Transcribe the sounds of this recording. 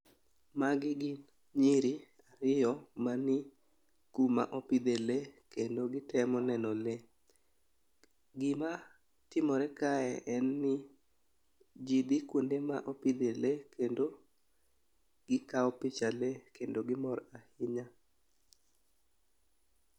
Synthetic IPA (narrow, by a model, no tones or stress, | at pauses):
maɡɪɡɪn | ɲiɾi | aɾɪjɔmanɪ | kuma̰ʔopid̪elekendoɡɪtɛmɔnɛnɔle | ɡɪma | tɪmɔɾɛkaɛʔɛnːɪ | d͡ʒid̪ikwundema̰ʔopid̪elekʰendo | ɡ̥ɪkaɔpɪt͡ʃalekendoɡɪmɔɾahɪɲa